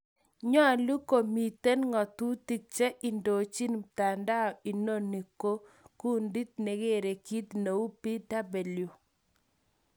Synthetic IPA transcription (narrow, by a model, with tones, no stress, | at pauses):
ɲɔ˦a˨lu˦ko˨mi˨te˦nŋɔ˨t̪u˦ti˦k̚t͡ʃe˦ʔi˨ndo˨t͡ʃi˦nmta˨nda˦ɔ˨i˨no˦˨ni˨ko˦ | ku˦ndi˦t̪̚ne˨ɡe˦˨ɾe˨ki˦t̪ne˨u˦pi˦da˦be˨ljo˨